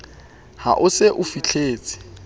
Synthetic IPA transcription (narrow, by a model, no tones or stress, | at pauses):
ha̰ʔʊseʔʊfit͡ɬʰeːt͡sʼɪ̥